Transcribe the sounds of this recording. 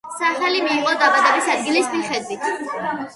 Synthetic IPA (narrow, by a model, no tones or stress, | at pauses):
saχɛlimiːqʼɔd̪abad̪ɛbisad̪ɡilismiχɛd̪wit̪ʰ